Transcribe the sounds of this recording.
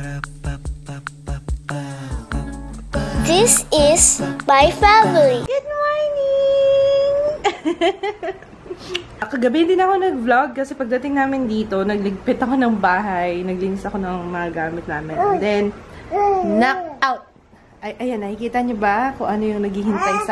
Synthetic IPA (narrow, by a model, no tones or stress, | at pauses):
d̪ɪsɪsmajfamɪliɡʊd̪̚mɔɹnɪ | ŋ | ɐkɐɡɐbɪɪnd̪ɪnɐko̞nɐɡ̚blaɡ̚kɐsɛpɐɡ̚d̪ɐt̪ɪŋnaːmɪnd̪iːt̪o̞nɐɡ̚lɪɡ̚pɛt̪ɐko̞nɐŋbaːɦɐjnɐɡlɪnɪsɐko̞nɐŋmɐŋɐɡaːmɪt̪̚naːmɪnd̪ɛnː | ɐawt̪̚ | ʔɐjʔɐjanːɐkikiːt̪ɐɲobɐkʊŋʔɐno̞jʊŋnɐɡhiːhɪnt̪ɐjs